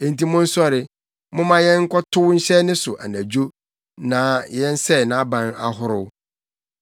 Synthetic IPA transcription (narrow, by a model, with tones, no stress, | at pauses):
ẽ˨n˨ti˦mʊ̃˦n̩˦sʊ˦a˨ɾɪ˨ | mʊ̃˦mã˦jɛ̃˦ŋ̩˦kɔ˦tʰʊ˦ɲ̩˦ɕɛ˦nɪ̃˦sʊ˨ʔa̰˨næ̃˨d͡ʑo˦ | nã˨˦jɛ̃˦n̩˦sɛ˦˨nã˨˦a˦bã˦na˦ɦʊ˦ɾʊ˦